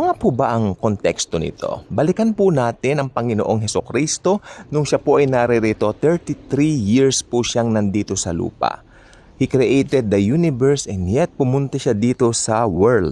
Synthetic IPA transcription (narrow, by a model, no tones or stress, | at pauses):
mɐŋaːpuːbɐʔɐŋkont̪ɛkst̪o̞nɪ̰t̪o̞̰bɐlɪkɐnpunaːt̪ɪnʔɐŋpɐŋɪnoʔo̞ŋɦɛsʊkɾist̪o̞nʊŋʃapoʔɐjnɐɾɪɾit̪o̞t̪ɛɹt̪it̪ɾijiɹspuʃaŋnɐnd̪iːt̪o̞sɐ̰lṵːpa̰ʔ | hikɾɛʔejt̪ɛd̪̚ːɐjunɪbɛɹsʔɛnd̪jɛt̪̚pʊmʊnt̪ɐʃad̪iːt̪o̞sɐwɛɹld̪̚